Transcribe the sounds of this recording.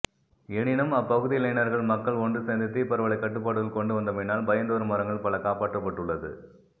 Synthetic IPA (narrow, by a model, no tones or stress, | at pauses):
ɛɳɪnɐmɐpːɐɣɯðɪlɐɪnɐɾɣɐɭmɐkːɐɭɔndrɯsɛnd̪ɪt̪ːipɐɾɐʋɐɭɐɪkːɐʈːɯpːaːɽɯɣɪlkɔɳɖɯʋɐnd̪ɐmɛnaːlbɐjɐnd̪oːɾɯmɐɾɐŋɡɐɭpɐlɐkaːpaːʈrɐpːɐʈːɯɭːɐðɯ̰